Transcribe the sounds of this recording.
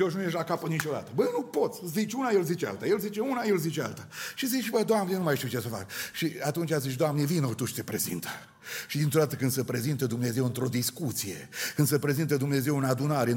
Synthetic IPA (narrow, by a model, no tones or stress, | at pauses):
oʃ̬nujeʃlakapənit͡ʃo̞d̪at̪əbənupo̞t̪sʲzit͡ʃʲunajelzit͡ʃea̰lt̪ajelzit͡ʃeunajelzit͡ʃea̰lt̪aʃizibəd̪oamnejenumajʃt̪iuwt͡ʃe̞səfa̰kʃiat̪unt͡ʃʲazit͡ʃd̪oamnevinot̪uʃt̪epɾe̞zḭnt̪ʰə̥ | ʃid̪int̪ɾo̞d̪at̪əkɨnd̪səpɾe̞zint̪əd̪umne̞ze̞wɨnt̪ɾo̞d̪iskut̪sije̞̰kɨnd̪səpɾe̞zint̪əd̪umneze̞wɨnad̪unaɾeɨ